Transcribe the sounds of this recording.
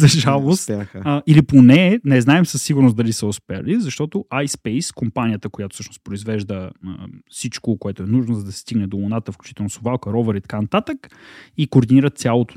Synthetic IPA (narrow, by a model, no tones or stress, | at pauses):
zɐʒalˠost̪əiliponɛnɛznaɛmsəsːiɡʊɾnosd̪ɐlisəʊspɛə̰lizɐʃt̪ɔt̪oʔajspɛjskompanijət̪əkojat̪o̥fsɤəʃnospɾʊizvɛʒd̪əə̰fsit͡ʃkokoɛt̪ʊɛnuʒnozɐd̪ɐsɛ̥st̪iɡnɛd̪olonat̪əfklʲu̥t͡ʃi̥t̪ɛlˠnosovalˠkəɾɔvəɾit̪ɐ̥kanɐt̪at̪əkikoːɾd̪iniɾət̪̚sʲjalˠot̪o̥